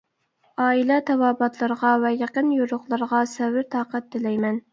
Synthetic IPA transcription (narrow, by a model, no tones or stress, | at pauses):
ɑːilɛt̪ʰɑwɑːbɑt̪ʰlˠɑɾʁɑvɛjɑqənjoɾʊχlˠɑɾʁɑsɛvɪɾt̪ʰɑːqæt̪̚d̪ɪlɛjmɛn